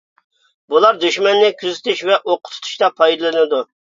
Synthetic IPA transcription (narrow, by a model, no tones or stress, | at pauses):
bulˠɑɾd̪yʃmɛnːɪkʲʰyzɪt̪ʰyʃvɛʔoqʰʊ̥t̪ʰt̪ʰu̥ʃt̪ɑpʰɑjd̪ɨlˠɨnɨd̪u